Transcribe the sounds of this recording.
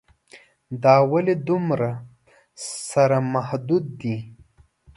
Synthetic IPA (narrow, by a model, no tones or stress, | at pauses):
d̪ɑwalid̪umɾa | saɾamahd̪ud̪̚ːi